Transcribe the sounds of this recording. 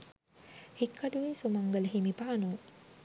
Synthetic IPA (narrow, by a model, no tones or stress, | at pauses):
hikːaɖuʋeːsumaŋɡələɦimipaːnu